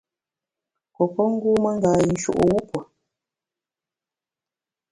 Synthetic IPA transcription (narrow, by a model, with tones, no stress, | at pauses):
kɔ˨pɔ˦ŋ̩˦ɡuː˦mə˦ŋ̩˦ɡaː˨i˨n̩˨t͡ʃṵ˨ʔo̰˨wu˦pwə˨